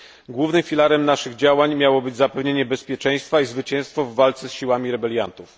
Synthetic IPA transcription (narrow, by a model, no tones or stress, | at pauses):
ɡwuvnɘmfʲilaɾɛmnaʂɘɣd͡ʑawaɲmʲjawɔbɘd͡ʑzapɛvɲeɲɛbɛspʲjɛt͡ʂɛ̃j̃st̪faizvɘt͡ɕɛ̃w̃st̪fɔvːalt̪sɛsɕiwamʲiɾɛbɛljant̪uf